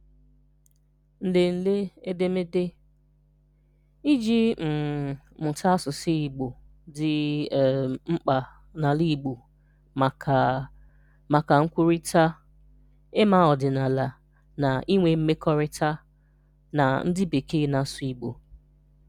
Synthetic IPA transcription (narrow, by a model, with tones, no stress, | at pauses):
n̩˨de˨n̩˨le˦e˦de˦mɪ˦dɪ˦ | i˦d͡ʒi˦m̩˨mʊ˨tʰa˦sʊ˨sɪ˦i˨ɡ͡bo˨ | dɪ˨ | ŋ͡m̩˦k͡pa˨ | na˨li˦˨ɡ͡bu˨ | ma˨ka˨ŋ̩˦kʷu˦ɾi˦ta˦ | ɪ˦ma˦ɔ˨dɪ˨na˨la˨ | na˨i˦ŋʷe˨m̩˦me˦kʰɔ˦ɾɪ˦ta˦ | na˨n̩˦dɪ˦be˨ke˦na˨sʊ˨i˨ɡ͡bo˨